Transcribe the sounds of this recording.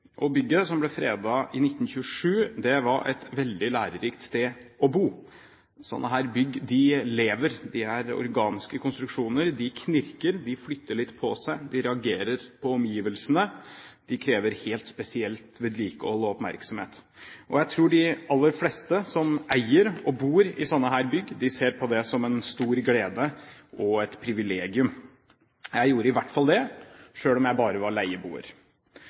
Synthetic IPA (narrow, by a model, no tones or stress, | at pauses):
ʔɔbʏɡːəsɔmblɛfɾeːd̪ɑʔɪnɪt̪ːn̩ɕʉʂʉːd̪ɛʋɑɾʔɛ̰t̪ʋɛld̪ɪlæːɾəɾiːkt̪st̪eːɔbuː | sɔ̰nːəɦæːɾbʏɡd̪ɪleːʋəɾd̪ɪæɾɔ̰ɾɡɑːnɪskəkʰʊnst̪ɾʉkʂuːnəɾd̪ɪkʰnɪɾkəɾd̪ɪflʏt̪ːəɭɪt̪ːpʰɔsæɪd̪ɪɾɛɑɡeːɾəɾpʰɔɔmjiːʋəlsənəd̪̥ɪkʰɾeːʋəɾheːlt̪spɛsɪɛlt̪ʋɛd̪ɾiːkəɔlːɔɔpmæ̰ɾksɔmhḛːt̪ | ʔɔjæɪt̪ʰɾuːɖɪɑlːəɾfleːst̪əsɔmæɪəɾɔbuːɾɪsɔnːəɦæːɾbʏɡːd̪ɪseːɾpʰɔd̪ɛsɔmɛnst̪uːɾɡleːd̪əʔɔɛt̪pʰɾɪʋɪleːɡɪʉm | jæɪjuːɾəɪʋæʈːfɑld̪ɛʂøːlɔmjæɪbɑːɾəʋɑɾɭæɪəbṵːə̰ɾ